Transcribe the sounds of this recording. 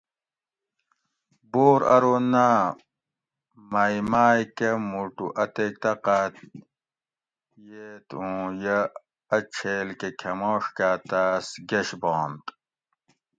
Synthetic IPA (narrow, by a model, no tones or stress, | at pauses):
boːɾɐ̰ɾona | mɐimaːjkemuʈṵʔɐt̪ek̚t̪ɐqat̪ | jeːt̪ũːjɐ | ɐt͡ɕʰeːlkekʰɐmoːʂkaːt̪asɡeɕboːnt̪